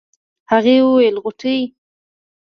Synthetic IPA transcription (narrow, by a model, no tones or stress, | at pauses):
haɣewəwelɣʊʈʰəj